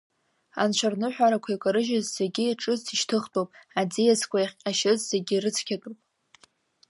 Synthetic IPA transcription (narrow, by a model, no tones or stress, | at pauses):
a̰nt͡ʃʷʰarnɨħʷᶣaɾakʷʰajkʷʼaɾɨʒɪzːeɡʲɪiʈ͡ʂʼɨzʰiʃtʰɨχtʼowpʼad͡zijaskʷʰajχʲʼaʃɪzz̥eɡʲirɨt͡sʰkʲʰatʼupʼ